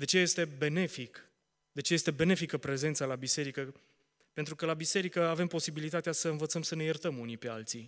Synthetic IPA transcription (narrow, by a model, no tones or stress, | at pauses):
d̪e̞t͡ʃe̞je̞st̪e̞be̞ne̞fik | d̪e̞t͡ʃe̞je̞st̪e̞be̞ne̞fikəpɾe̞ze̞nt̪salabise̞ɾikə | pe̞nt̪ɾukəlabise̞ɾikəave̞mpo̞sibilit̪at̪easəɨnvət̪səmsəne̞jert̪əmunipe̞a̰lt̪si